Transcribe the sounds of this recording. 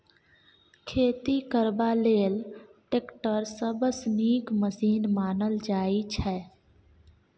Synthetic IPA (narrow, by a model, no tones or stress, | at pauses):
kʰeːt̪ikəɾbaleːlʈekʈəɾsəbəsniːkməsiːnmaːnəld͡ʒaːit͡ʃʰɛː